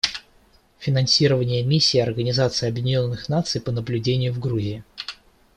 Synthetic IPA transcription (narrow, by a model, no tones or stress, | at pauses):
fʲɪnɐnsʲiɾəvənʲɪjəmʲisʲːɪːɐrɡənʲɪzat̪sɨɪɐbjɪdʲɪnʲonːɨxnat̪sɨjpənəblʲʉdʲenʲɪjʊvɡɾuzʲɪɪ